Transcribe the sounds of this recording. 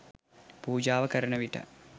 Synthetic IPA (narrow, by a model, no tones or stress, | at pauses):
puːd͡ʒaːʋɐkɐɾɐɳɐʋiʈɐ̰